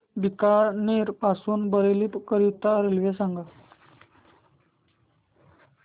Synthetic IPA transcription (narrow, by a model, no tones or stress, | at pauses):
bikaneɾpasuːnbəɾeliːpkəɾit̪aɾelʋesaŋɡa